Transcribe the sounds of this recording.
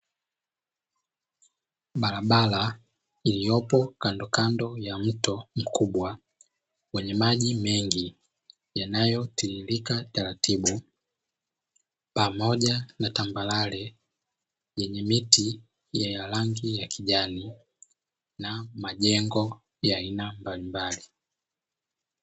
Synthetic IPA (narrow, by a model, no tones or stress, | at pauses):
ɓalaɓala | ilijɔpɔkandɔkandɔjam̩tɔm̩kʰuɓwa | wɛɲɛmaʄimɛŋɡi | janajɔtililikataɾatʰiɓu | pamɔɟanatambalalɛ | jɛɲɛmiti | jɛjalaŋɡijakiʄani | namaʄɛŋɡɔ | jaːinambalimbali